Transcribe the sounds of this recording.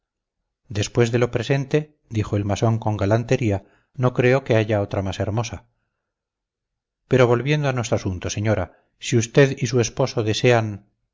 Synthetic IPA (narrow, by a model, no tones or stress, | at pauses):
d̪e̞spwe̞zðe̞lo̞pɾe̞se̞nt̪e̞ | d̪ixo̞e̞lmaso̞ŋko̞ŋɡalant̪e̞ɾia | no̞kɾe̞o̞ke̞aʝao̞t̪ɾamase̞ɾmo̞sa | peɾo̞βo̞lβje̞nd̪oanwe̞st̪ɾoasunt̪o̞se̞ɲo̞ɾa | siust̪e̞ðis̬ue̞spo̞so̞ðe̞se̞an